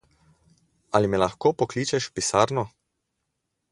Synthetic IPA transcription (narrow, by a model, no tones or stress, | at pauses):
alimɛlaxkoːpɔkliːt͡ʃɛʃpisaɾnɔ